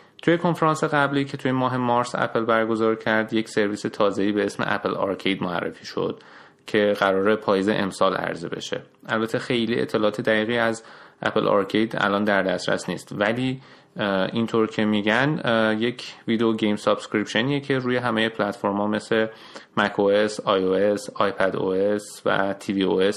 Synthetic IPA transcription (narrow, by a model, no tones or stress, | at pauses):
t̪ʰuje̞kʰo̞nfeɾɑːnse̞ɣæbliːcʰe̞t̪ʰujemɒːɦe̞mɒɾsæ̰pʰelbæɾɡo̞zɒːɾcʰæɾd̪je̞cʰse̞ɾviːse̞t̪ʰɒːze̞iːbe̞esmḛʔæ̰pʰelɒ̰ɾkʰejd̪moæ̰rːḛfiːʃo̞̰d̪̥ | cʰe̞ɣæɾɒːɾepʰɒːjeze̞̰ʔḛmsɒːlæ̰ɾzḛbe̞̰ʃe̞̰ | ʔælbæt̪ʰe̞xe̞jliːʔḛt̪ʰːelɒːt̪ʰed̪æɣiːɣiːæzʔæ̰pʰelʔɒ̰ɾcʰejd̪æ̰lɒːnd̪æɾd̪æst̪ɾæ̰sniːst̪væliː | int̪ʰoɾcʰe̞miɟænje̞cʰviːd̪eoɟejmsɒb̥skɾipʃeniːecʰe̞ɾuːje̞ɦæmeje̞pʰlæt̪foɾmɒːme̞se | mækʰoesɒjoesɒjpʰæd̪o̰es | væ̰t̪ʰivioes